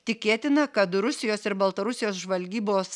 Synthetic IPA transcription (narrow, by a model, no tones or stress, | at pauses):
t̪ʲɪkʲeːt̪ʲɪnɐkɐt̪ɾʊsʲɪjoːsɪɾbɐlˠt̪ɐɾʊsʲɪjoːs̬ʒʋɐlʲɡʲiːboːs